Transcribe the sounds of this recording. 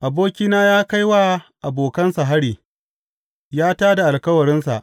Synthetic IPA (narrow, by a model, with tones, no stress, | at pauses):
ʔa˨boː˦kʲiː˦naː˦jaː˦ka˦jwa˦ʔa˨boː˨kɐ˦nsa˨ɦa˦ɽiː˨ | jaː˦taː˦da˨ʔa˨lkɐ˦wɐ˨ɾɪ˦nsa̰˨ʔ